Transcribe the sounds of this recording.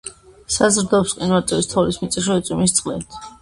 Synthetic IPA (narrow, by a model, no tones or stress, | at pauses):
sazɾd̪ɔpsqʼinwaɾt̪ʼɛvist̪ʰɔlismit̪sʼiʃ̬ɛɛt̪sʼwimist̪sʼqʼlḭt̪ʰ